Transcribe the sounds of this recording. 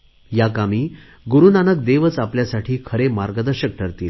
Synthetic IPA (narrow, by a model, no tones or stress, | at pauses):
jakamiː | ɡuɾunanək̚d̪eʋət͡sapljasaʈʰiːkʰəɾemaɾɡəd̪əɾɕək̚ʈʰəɾt̪iːl